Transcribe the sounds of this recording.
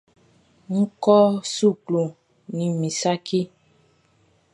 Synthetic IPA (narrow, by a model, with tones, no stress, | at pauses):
ŋ̩˦kɔ˦su˦˨klu˨ | nĩ˨mĩ˨sa˦kʰe˦